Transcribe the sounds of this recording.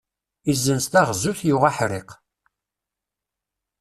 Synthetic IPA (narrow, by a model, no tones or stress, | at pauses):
izənst̪æʁzuθjuaħɾɪq